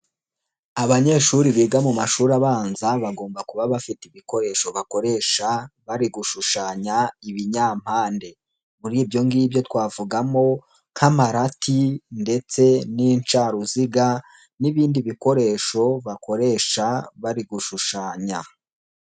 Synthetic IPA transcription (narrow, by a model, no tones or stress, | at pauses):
aβaɲe̞ːʃuɾiβiːɡamumaʃuːɾaβaːnzaβaɡo̞ːmbakuβaβafitiβiko̞ɾe̞ːʃo̞βako̞ɾe̞ʃaβaɾiɡuʃuʃaːɲaiβiɲaːm̥haːnde̞ | muɾiːbjo̞ŋɡiːbjo̞twaːvuɡamo̞ | kʰamaɾatʰinde̞t͡se̞niɲt͡ʃaɾuziɡa | niβiːndiβiko̞ɾe̞ʃo̞βako̞ɾe̞ːʃaβaɾiɡuʃuʃaːɲa